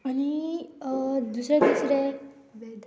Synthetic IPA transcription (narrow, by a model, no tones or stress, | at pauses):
añi | d̪usɾed̪usɾe | bed̪